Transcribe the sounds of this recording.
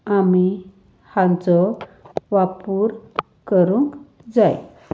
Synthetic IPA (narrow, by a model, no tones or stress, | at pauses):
ami | hãnt͡sɔʋapuɾ | kəɾuŋk | d͡zaj